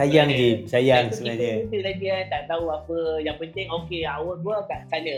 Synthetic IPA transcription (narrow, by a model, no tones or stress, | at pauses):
sajaŋd͡ʒimsajaŋsəbənanət̪ulaɡiat̪aʔt̪aɦuapəjaŋpənt̪ɪŋokeawəduakaʔsanə̃